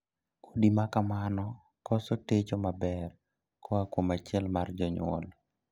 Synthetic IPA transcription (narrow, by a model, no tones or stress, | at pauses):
kʰodimakamanɔ | kɔsɔtet͡ʃomabɛr | kʰɔakwomat͡ʃɪɛlmard͡ʒɔɲwɔ̰l